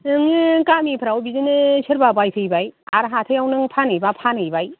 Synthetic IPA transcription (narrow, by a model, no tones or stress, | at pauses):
ɯŋkamipʰɾawbizɯnɯsʰɯɾbabajpʰɯjbaja̰ɾɦatʰɯjawnɯŋpʰanɯjbapʰanɯjbaj